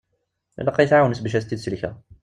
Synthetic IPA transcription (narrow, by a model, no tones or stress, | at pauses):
lːæqːɑjəθʕawənəsbæʃ̬æst̪ːid̪səlçæ